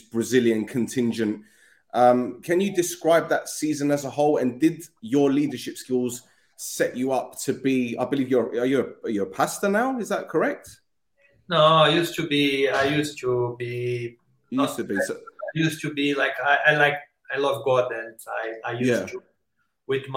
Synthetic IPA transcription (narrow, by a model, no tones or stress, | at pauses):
sb̥ɹəzɪljə̃nkʰə̃ntʰɪ̃nd͡ʒə̃nʔ | ʔʌ̃mkʰə̃njədɪskɹaɪb̚ðətsiːzə̃nəzəɦoʊlə̃ndɪdjəliːdəʃɪpskɪlˠz̥ | sɛt͡ʃəʌp̚tʰəbia̰ɪbəliːvjəəjəəəjəəpʰastənaʊɪzðəʔ̚kʰəɹɛk̚t | noaɪjustubiaɪjustʰubi | jʉstəbisaɪjustubilaɪkaɪʔaɪlaɪk̚ | aɪlɔvɡɔdɛ̃naɪaɪjujæstu | wɪdm